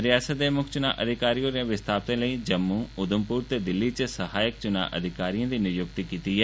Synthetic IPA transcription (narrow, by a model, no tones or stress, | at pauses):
ɾɪjaːsət̪̚d̪eːmʊkʰt͡ʃʊna̰ːʔəd̪ʱɪkaːɾiːõːɾeãːʋɪst̪ʰaːpt̪ẽːləiːd͡ʒəmːuːʊd̪ʊmpuːɾt̪eːd̪ɪlːiːt͡ʃəsəhaːjək̚t͡ʃʊna̰ːʔə̰d̪ʱɪkaːɾijãːd̪iːnɪjʊk̚t̪ikiːt̪iːɦɛː